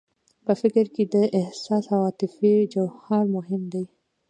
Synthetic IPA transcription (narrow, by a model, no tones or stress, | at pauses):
pəfɪkɾked̪əʔɪhsɑshawɑt̪ɪfed͡ʒawhɑɾmʊɦɪmd̪aj